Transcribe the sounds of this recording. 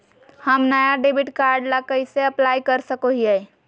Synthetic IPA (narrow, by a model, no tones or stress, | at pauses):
həmnəjaɖeːbɪʈkaːɾɖlakəiseəplaːjkəɾsəkoɦiɦɛ